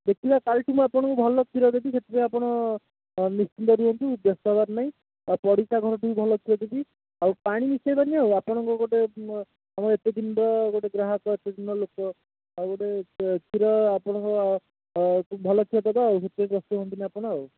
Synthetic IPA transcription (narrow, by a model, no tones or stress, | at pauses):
d̪ek̚t̪ʰibakalʈumũapɔɽ̃ɔ̃ŋkubʱɔlɔt̪iɾɔd̪ekiset̪ʰibeiapɔɽ̃ɔ | nist͡ʃind̪ɔɾuɔnt̪ubjɔst̪ɔbaɾnaĩ | apɔɽikaɡʱɔɾɔʈʰikubʱɔlɔt̪ʰiɔd̪eb̪i | awpaɽ̃inisɔjbaniawapɔɽ̃ɔŋkɔɡoʈe | amɔɾet̪ed̪inɖɔɡoʈeɡɾaɦɔkɔet̪ed̪ʱinɔlokɔ | awɡoʈet̪iɾɔapɔɽ̃ɔŋkɔ | bʱɔlɔt̪ʰiɔt̪ab̪aːwset̪eibɔst̪uɦont̪iniapɔɽ̃ɔaw